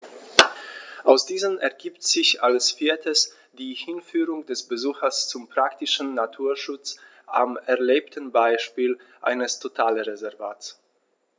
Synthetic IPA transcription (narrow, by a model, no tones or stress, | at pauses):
ʔaʊsd̥iːzəmɛɐɡiːptz̥ɪçʔalsfiːɐtʰəs | d̥iːhɪnfyːʁʊŋd̥ɛsb̥əzuːxɐst͡sʊmpʁ̥aktɪʃn̩ːatʰuːɐʃʊt͡s | ʔa̰mɛɐleːptʰən̩baɪʃpiːlʔa̰ɪnəstʰotʰaːləʁezɛɐva̰ːts